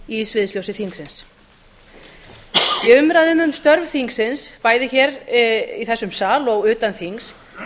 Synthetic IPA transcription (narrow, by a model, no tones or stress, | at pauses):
isvɪðsljowsɪθiŋksɪns | jɛʏmɾaðʏmʏmst̪œɾvθiŋksɪnspaːjðɪçɛɾiθɛsːʏmsaːlɔɣʏːt̪anθiŋks